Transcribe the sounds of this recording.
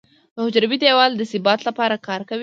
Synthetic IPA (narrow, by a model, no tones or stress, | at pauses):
d̪əhʊd͡ʒɾawid̪ewɑld̪əsɪbɑt̪lapɑɾakɑɾkawi